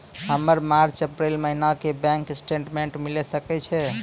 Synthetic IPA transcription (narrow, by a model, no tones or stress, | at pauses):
ɦəməɾmaɾt͡ʃəpɾelməɦnakebɛ̃ŋksʈeɳʈmeɳʈmilesəkɛt͡ʃʰɛ